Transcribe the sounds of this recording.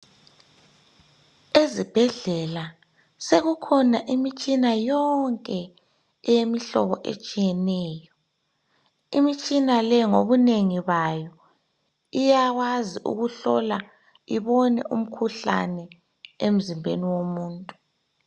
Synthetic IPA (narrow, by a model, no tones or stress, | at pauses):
ezib̥ʱɛɮɛla | seɣukʰɔnaʔimit͡ʃʼinajɔŋkʼɛ | ɛjemiɬɔ̰βɔʔḛt͡ʃʼijɛnɛːjɔ | imit͡ʃʼinalɛŋoβuneŋiβajɔ | ijaɣwaziʔṵɣuɬɔ̰la | iβɔnɛ̰ʔum̩kʰuɬa̰nɛ | em̩zimbʱeniwomuːntʼu